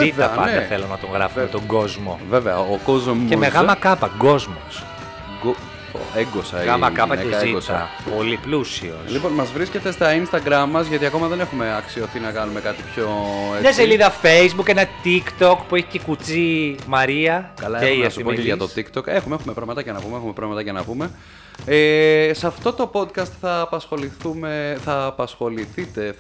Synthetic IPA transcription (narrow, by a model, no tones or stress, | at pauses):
it̪ɐpɐ̰nddɐθelonɐt̪o̞ŋɣɾɐ̰foet̪oŋɡo̞zmo̞̰veveɐ̰okozemeɣɐmɐkɐpɐɡo̞zmo̰s | ɡo | o̰eŋɡosɐ̰ɣɐmɐkɐpɐeziotɐ̰ | po̞liplusḭo̰liponmɐzvɾiscet̪est̪ɐinst̪ɐɡɾɐmːɐzʝɐt̪iɐko̞mɐðe̞nexumeɐksio̞θinɐkɐnumekɐt̪ipçoeɲɐseliðɐfeizbukenɐt̪ikt̪o̞kpueçi̥cekut͡simɐɾiɐkɐlɐeɐsu̥poʝɐt̪o̞t̪ikt̪o̞kexumexumepɾɐvmɐt̪ɐʝɐnɐpumeexumepɾɐvmɐt̪ɐʝɐnɐpume̞ | esɐft̪o̞t̪o̞po̞d̪kɐst̪θɐːpɐsxo̞liθume̞θɐːpɐsxo̞liθit̪e̞